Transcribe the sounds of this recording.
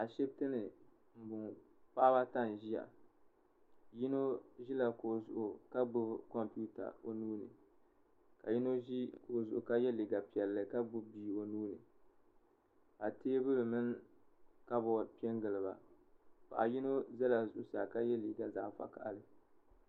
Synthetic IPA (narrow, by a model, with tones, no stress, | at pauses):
a˨ʃɛ˦b̚tɨ˦nɨ˨ | m̩˨bʊ˨ŋ | pa˦ba˦ta˦n˨ʒi˦ja̰˨ | ji˦no˦ʒi˦la˨ko˨zʊ˨ʔʊ˨ka˦bʊ˦bkɔ˦mpu˦ta̰˨o˨nuː˦nɨ̰˨ | ka˨ji˦no˦ʒi˦ko˨zʊ˨ʔʊ˨ka˦jɛ˦li˨ɡa˨pi˨ɛ˨lːɨ˨ka˦bʊ˦bbiː˨o˨nuː˦nɨ˨ | a˨teː˦bɨ˦bɨ˨mɨ˦n | ka˦bɔ˨pi˦ɛ˦ŋɡɨ˨lɨ˨ba̰˨ | pa̰˨ʔa˨ji˦no˦zɛ˦la˨zʊ˨ʔʊ˦sa˨ka˦jɛ˦li˨ɡa˨za̰ː˨fa̰˨ka̰˨ʔa˨lɨ˦